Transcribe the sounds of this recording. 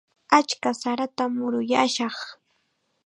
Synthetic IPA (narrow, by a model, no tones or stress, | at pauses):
at͡ʃkasaɾat̪amʊɾʊjaʃɑχ